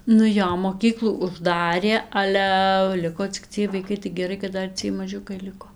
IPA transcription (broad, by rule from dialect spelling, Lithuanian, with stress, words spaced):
nʊ ˈjoː moːˈkʲiːklˠuː ʊʒˈdɑːrʲeː ˈɑːlʲæ ˈlʲɪkoː t͡sʲɪk ˈt͡sʲiɛj ʋɐɪˈkɐɪ tɐɪ ɡʲɛˈrɐɪ kɐt ˈdɐr ˈt͡sʲiɛj mɐˈʒʲʊkɐɪ ˈlʲɪkoː